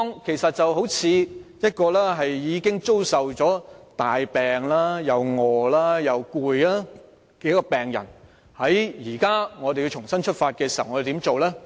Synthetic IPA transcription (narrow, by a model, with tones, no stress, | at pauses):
ɔ˧ŋkʰe˨˩jsɐ˨t̚t͡sɐ˨wɦo˨˥wt͡sʰiː˨˧jɐ˥t̚kɔː˧lɛː˥ɦɐ˨jːiː˨˧kɪ˥ŋt͡so˥wsɐ˨wt͡ʃɔː˨˥t̪aː˨jpɛː˨ŋlaː˥jɐ˨˧wŋɔː˨˧laː˥jɐ˨˧wkuː˨˧jlaː˥ | kɛ˨˥˦kɔ˧pɛː˨ŋjɐ̰˨˩n | hɐ˨˥jjiː˨˩kaː˥ŋɔ˨˧te˨ji˧wt͡ʃʰʊ˨˩ŋsɐ˥nt͡ʃʰɵ˥t̚faː˧t̚kɛː˧si˨ɐ˨wŋɔ˨˧˨t̪iː˨˥mt͡so˨wlɛː˥